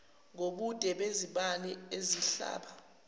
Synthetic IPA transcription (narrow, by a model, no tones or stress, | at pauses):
ŋoɓud̥ʱʼɛɓeziɓanɛeziɬa̰ːɓa